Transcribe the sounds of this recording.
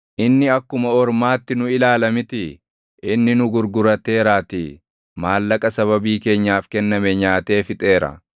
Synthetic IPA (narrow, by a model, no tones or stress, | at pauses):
ʔɪnːɪɐkːʊmɐɔɾmaːt̪ːɪnʊɪlaːlɐmɪt̪ɪ | ʔɪnːɪnʊɡʊɾɡʊɾɐt̪e̞ːɾaːt̪ɪ | maːlːɐkʼɐsɐβɐbiːke̞ːɲːaːfkɛnːɐmɛɲaːt̪e̞ːfɪt̪ʼe̞ːɾɐ̰